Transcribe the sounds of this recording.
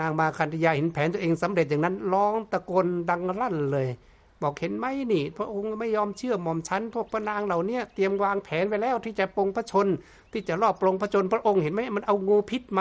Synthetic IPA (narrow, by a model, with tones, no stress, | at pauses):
naː˧˩ŋmaː˧kʰa˧˨nt̪ʰa˧jaː˧he˨˦npʰɛː˨˦nt̪u˧˨ʔeː˧ŋsa˨˦mɾe˨˩t̪̚ja˨ŋna˧˥nlɔː˧˥˩ŋt̪a˧ko˧nda˧ŋɾa˧˥˩nlɤː˧j | bɔː˨˩k̚he˨˦nma˧˥˨jniː˧˩pʰɾa˧˥ʔo˧ŋma˥˩jːɔː˧mt͡ɕʰɯ˧˩əmɔː˧˩mt͡ɕʰa˧˥npʰu˥˩ək̚pʰa˧˨naː˧ŋla˨˩wni˧˥˩ət̪i˧əmwaː˧ŋpʰɛː˨˦nwa˧˩lɛː˧˥˩wt̪ʰiː˧˩t͡ɕa˨po˧ŋpʰa˧˥t͡ɕʰo˧n | t̪ʰiː˧˩t͡ɕa˨˩ʔlɔː˧˩p̚ːlo˧ŋpʰa˧˥t͡ɕʰo˧npʰɾa˧ʔo˧ŋhe˨˦nma˧˩˨ma˧˥˨nʔa˧wŋuː˧pʰi˧˩t̪̚ma˧